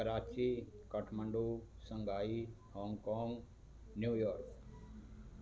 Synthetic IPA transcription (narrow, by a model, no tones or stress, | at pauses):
kəɾaːt͡ʃikəʈʰməɳɖusə̃ŋɡaːi | hɔ̃ːŋɡkɔːŋɡ | njuːjɔːɾk